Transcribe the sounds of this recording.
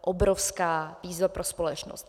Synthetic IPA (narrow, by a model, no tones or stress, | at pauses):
ʔobɾofskaːviːzvapɾʔospolɛt͡ʃno̰st̪